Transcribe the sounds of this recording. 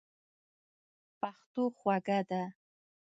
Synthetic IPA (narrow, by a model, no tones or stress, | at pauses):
pɑχt̪ʊχwaɡad̪a